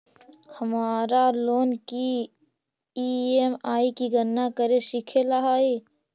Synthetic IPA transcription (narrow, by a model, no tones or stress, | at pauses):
hɐmaːɾaloːnki | iːemaːikiɡənːakəɾeʃɪkʰelaɦaːeː